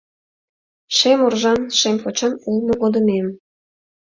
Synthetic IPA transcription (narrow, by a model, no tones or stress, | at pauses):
ʃemorʒɑnʃempot͡ɕɑnulmŏɣod̪ə̆mem